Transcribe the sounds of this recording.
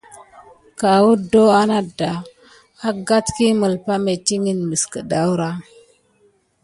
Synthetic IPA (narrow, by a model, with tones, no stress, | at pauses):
ka˨wu˦do˦a˦na˦da˨ | a˦ɡa˦tki˦mə˨lpa˦me˨ti˦ŋi˦nmi˨skə˨da˦wɾa˦